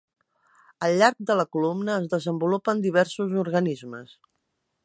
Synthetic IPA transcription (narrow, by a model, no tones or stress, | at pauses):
əlʎːaɾk̚d̪ələkulumnəːzðəzəmbulupənd̪iβ̞ɛɾsuzuɾɣənizməs